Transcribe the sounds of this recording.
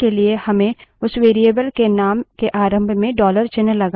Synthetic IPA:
eliehɐmẽʊsʋeːɾijebəlkenaːmkeʔaːɾə̃mbʱmẽɖɔːləɾt͡ʃɪnəlɐɡa

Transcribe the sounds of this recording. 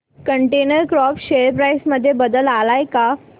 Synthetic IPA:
kəɳʈenəɾkɾɔpɕeɾpɾajsməd̪ʱːjebəd̪əlalajka

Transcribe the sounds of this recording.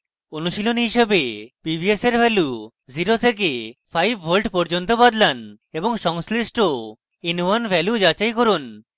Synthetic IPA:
onuʃilonɦiʃebepibieseɾbʱɛlu | ziɾot̪ʰek̬epʰajbʱbolʈpɔɾd͡ʑont̪obad̪lan | eboŋʃɔŋslisʈo | inuwanbʱɛljud͡ʑat͡ɕajkoɾun

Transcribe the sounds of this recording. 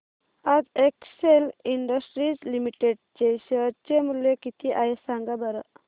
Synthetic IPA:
ad͡zekseliɳɖəsʈɾid͡zlimiʈeɖ̚t͡ɕeɕəɾt͡ɕemuljekit̪iʔajesaŋɡabəɾə

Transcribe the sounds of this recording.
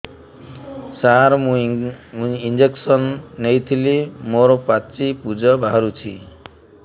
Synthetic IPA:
saɾmũ | ind͡ʒeksɔnːejt̪ʰilimoɾopat͡ʃipud͡ʒɔbʱaɾut͡ʃʰi

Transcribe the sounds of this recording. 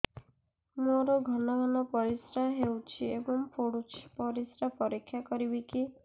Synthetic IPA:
muaɾɔɡʱɔnaɡʱɔnɔpɔɾisɾaɦewt͡ʃʰiebɔŋpʰoɽut͡ʃʰpɔɾisɾapɔɾikʰːjakɔɾibiki

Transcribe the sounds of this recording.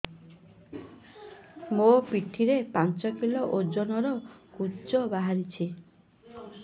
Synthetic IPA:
mopiʈʰiɾepant͡ʃɔkilɔʔod͡ʒonɔɾɔkut͡ʃɔbaɦaɾit͡ʃʰi

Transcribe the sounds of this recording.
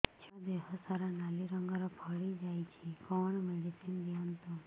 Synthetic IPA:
t͡ʃʰɔd̪eɦɔsaɾanaliɾəŋɡaɾɔpʰəɭid͡ʒajt͡ʃʰekɔɳmeɖisinɡ̪jant̪u

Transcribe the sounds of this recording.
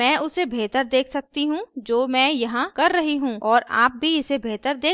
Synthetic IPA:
ɛ̃ːʔʊsebʱeːt̪əɾd̪eːkʰsɐk̚t̪iɦũd͡ʒoːmɛ̃ːjɐɦãkɐɾːɐɦiɦũːɔːɾa̰ːp̚bʱiɪsebʱeːt̪əɾd̪eː

